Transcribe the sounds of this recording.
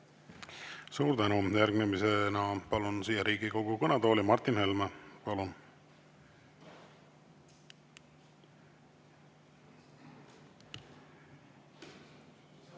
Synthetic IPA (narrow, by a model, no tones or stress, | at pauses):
suːɾd̪t̪ænujærɡnemisenɑpɑlunsiːjɑɾiːɡiko̞ɡ̥ukɤnɑd̪o̞ːlʲimɑrt̪ːinhelmepɑlun